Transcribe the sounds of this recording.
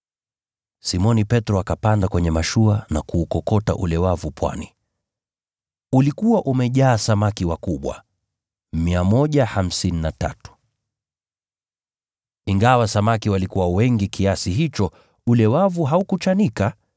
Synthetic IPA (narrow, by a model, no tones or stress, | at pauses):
simɔnipɛtɾɔakapandakwɛɲɛmaʃuanakuːkɔkɔta̰ʔulɛwavupʰwa̰ni | ulikuwaʔumɛʄaːsamakiwakuɓwa̰ | miamɔʄaham̩sininata̰tu̥ | iŋɡawasamakiwalikuwawɛŋɡikʰiasiɦit͡ʃɔ | ulɛwavuɦaukut͡ʃanika